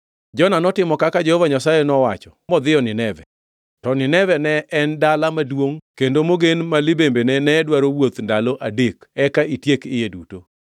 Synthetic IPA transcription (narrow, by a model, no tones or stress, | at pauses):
d͡ʒɔnanɔtɪmɔkakad͡ʒehovaɲasajenɔwat͡ʃɔ̥mɔd̪ɪjɔnɪnɛvɛ | tɔnɪnɛvɛnɛʔɛndalamadwoŋkendomoɡenmalɪbembenɛnɛdwaɾowot̪ndaloʔadekɛkaitjekɪjeduto